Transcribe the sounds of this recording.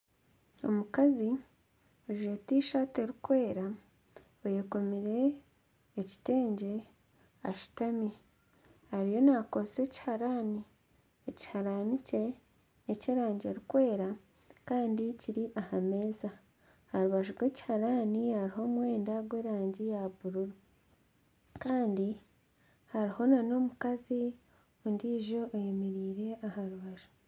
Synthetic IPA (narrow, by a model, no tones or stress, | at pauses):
o̞̰mukazi | oʒuetiːʃaːte̞ɾikwe̞ːɾa | ojeko̞miɾe̞ː | ci̥te̞ːɲɟe̞ | a̰ʃu̥tamje | haɾijo̞nako̞se̞ci̥haɾaːni | eci̥haɾanice̞ | neceɾaːɲɟeɾikwe̞ːɾa | kaːndiciɾiʔahame̞ːza | haɾuβaʒuɾwe̞ci̥haɾaːnihaɾiho̞ːmwe̞ːndaɡwe̞ːɾaːɲɟijaβuɾuɾu | kaːndi | haɾiho̞nano̞mukazi | ondiːʒo̞ojemeɾiːɾe̞ahaɾuβaʒu̥